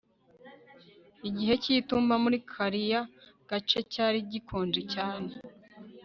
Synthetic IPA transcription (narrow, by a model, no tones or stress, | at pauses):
iɟiɦe̞citumbamuɾikʰaɾijaɡ̥at͡ʃe̞caːɾiɟikʰoːnd͡ʒicaːne̞